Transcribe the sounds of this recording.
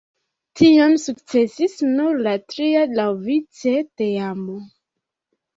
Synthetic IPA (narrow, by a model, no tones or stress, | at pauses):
tiamsukt͡sesisnuɾlatɾialawvit͡seteamo